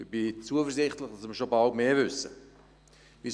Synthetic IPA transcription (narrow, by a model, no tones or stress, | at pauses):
ɪb̥ɪt͡suəfəɾzɪχtləχd̥ɑsməɾʃobɑltmeːvʏsə | ʋi